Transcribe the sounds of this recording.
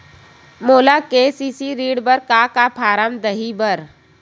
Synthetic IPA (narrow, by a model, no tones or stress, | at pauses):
moːlakesisiɾiːɽbəɾkakapʰaːɾəmd̪əɦibəɾ